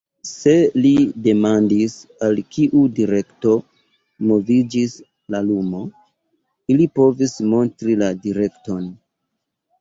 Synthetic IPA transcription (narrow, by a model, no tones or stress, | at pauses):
se̞lide̞mandisalkiʔudiɾe̞kto̞ | mo̞vid͡ʒis | lalumo̞ | ilipo̞vismo̞ntɾiladiɾe̞kto̞n